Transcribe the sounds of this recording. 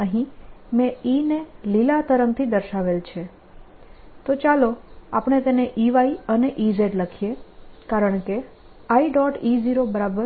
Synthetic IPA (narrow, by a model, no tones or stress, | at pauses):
nəɦĩmɛ̃inelilat̪əɾəm̚t̪ʰid̪əɾʃaʋelt͡ʃʰe | t̪ot͡ʃaloapɳ̃et̪eneʔiʋaiəneʔizeʈləkʰijekaɾəɳke | aiɖɔʈiziɾobəɾabəɾ